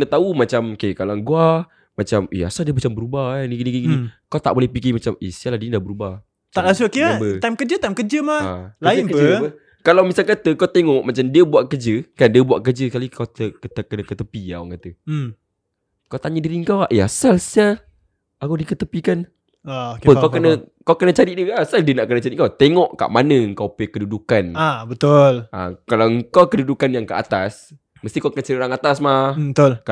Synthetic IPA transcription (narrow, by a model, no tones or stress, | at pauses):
nət̪aumat͡ʃamokekalaŋɡua | mat͡ʃamḭa̰saldiəmat͡ʃambəɾubaniɡiniɡiɡinikawt̪a̰ʔbolɛhpik̬imat͡ʃamḛsialadinidabəɾuba | t̪aʔlasukibəajmkəd͡ʒət̪ajmkəd͡ʒəmaaləakəd͡ʒbə | kalawmisalkat̪əkawt̪eŋɔʔmat͡ʃamdiəbuaʔkəd͡ʒəkandiəbuaʔkəd͡ʒəkalikawt̪əkət̪əkənəkət̪əpia̰wa̰ŋkat̪ə | kawt̪aɲədiɾiəŋkawaʔjasalsa | akadikət̪əpikan | əkawkənə̃kawkənət͡ʃaɾiʔdiəasaldiənaʔkənət͡ʃaɾiʔkawt̪eŋɔʔka̰ʔmanəəŋkawpəkədudukanabət̪ʊlʔa̰kalawŋkawkədudukanjaŋkəʔa̰t̪as | məst̪ikawkənət͡ʃaɾiʔoɾaŋat̪asmahət̪ʊlk